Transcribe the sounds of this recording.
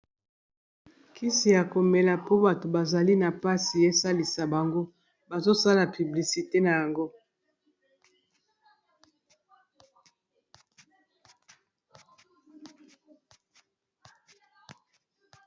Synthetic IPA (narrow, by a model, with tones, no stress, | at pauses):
kʰi˦si˨ja˨ko˨me˨la˨po˦ba˨to˨ba˨za˨li˦na˨pa˦si˨je˦sa˦li˨sa˨ba˨ŋɡo˦ | ba˨zo˦sa˦la˨py˨bli˨si˨te˦na˨ja˨ŋɡo˦